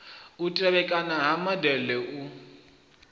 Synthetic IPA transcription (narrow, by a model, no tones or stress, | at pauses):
utʼɛβɛkʼanaɦamadɛlɛʔu